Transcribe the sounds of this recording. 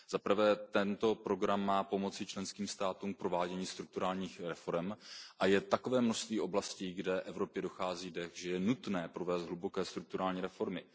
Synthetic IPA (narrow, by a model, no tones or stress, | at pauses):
zapr̩vɛːt̪ɛnt̪o̞pɾo̞ɡɾamːaːpo̞mo̞t͡sɪt͡ʃlɛnskiːmst̪aːt̪uːmk̚pɾo̞vaːɟɛɲiːst̪ɾuk̚t̪uɾaːlɲiːxɾɛfo̞ɾɛmʔajɛt̪ako̞vɛːmnoʃst̪viːʔo̞blasciːɡdɛʔɛvɾo̞pjɛdo̞xaːziːdɛxʒɛjɛnut̪nɛːpɾo̞vɛːsd̪ɦlubo̞kɛːst̪ɾuk̚t̪uɾaːlɲiːɾɛfo̞ɾmɪ